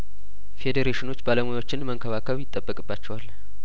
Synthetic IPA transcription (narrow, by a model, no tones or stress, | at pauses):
fe̞d̪eɾeʃɪno̞t͡ʃːbaləmojawo̞t͡ʃːɪnməŋkʰəβakʰəβjɪt̪ʼːəbːəkʼɨbːat͡ʃːɛwal